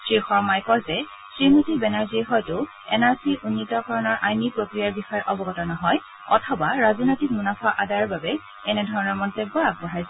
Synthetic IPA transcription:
sɹixɔɹmajkɔzɛ | sɹinotibɛnaɹziɛɦɔjtʊ | ɛnaɹsiʔunːitɔkɔɹɔnɔɹʔajmipɹokɹijaɹbixɔjɛʔɔbɔɡɔtɔnɔɦɔj | ɔ̰tʰɔbaɹazinojtikmunafaʔadajɔɹbabɛ | ɛnɛdʱɔɹɔnɔɹmɔntɛbɔɹak̚bɔɦajz

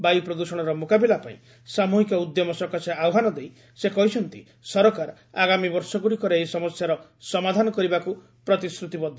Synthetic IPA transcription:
bajupɾɔd̪usɔɽ̃ɔɾɔmokabilapaḭ̃ | samuɦikɔud̪jɔmɔsɔkasʰeawɦanɔd̪ej | sekɔɦit͡ʃʰɔnt̪ḭ | sɔɾɔkaɾɔ | aɡamibɔɾsɔɡuɽikɔɾeejsɔmɔsjaɾɔsɔmad̪ʱanɔkɔɾibaku | pɾɔt̪isɾut̪ibɔd̪ʱː

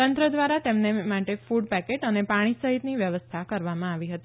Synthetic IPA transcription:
ənt̪ɾəd̪ʋaɾat̪emnemaʈefuɖpɛkeʈənepaɽ̃isəɦit̪niʋjəʋəst̪ʰakəɾʋamãaʋiɦət̪i

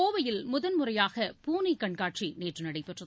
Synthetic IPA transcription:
oːʋɐjɪlmʊðɐnmʊrɐjaːɣɐpuːnikɐɳkaːʈʂineːʈrɯnɐɽɐɪpːɛʈrɐð

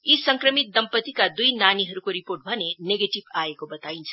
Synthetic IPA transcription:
isʌŋkrʌmit̪̚d̪ʌmpʌt̪ikad̪ujnaniɦʌɾukoɾiporʈ̚bʱʌneneɡeʈibaekobʌt̪aint͡sʰʌ

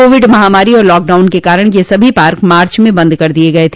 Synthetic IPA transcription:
oːʋɪɖmɐɦaːmaːɾiɔːɾlɔːk̚ɖaːʊnkekaːɾəɽ̃jesɐbʱipaːɾkmaːɾt͡ʃmẽbɐ̃nd̪kɐɾd̪ieɡɐet̪ʰː

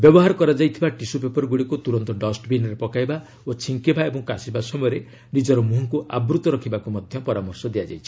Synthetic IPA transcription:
bjɔbɔɦaɾɔkɔɾad͡ʒajt̪ʰibaʈisupepɔɾɡuɽikut̪uɾɔnt̪ɔɖɔsʈbinɔɾepɔkajba | ot͡ʃʰiŋkibaebɔŋkasibasɔmɔjɔɾe | nid͡ʒɔɾɔmuɦɔ̃ŋkuʔa̰bɾut̪ɔɾɔkʰibakumɔd̪ʱjɔpɔɾamɔɾsɔd̪ejad͡ʒa̰jt͡ʃʰi̥

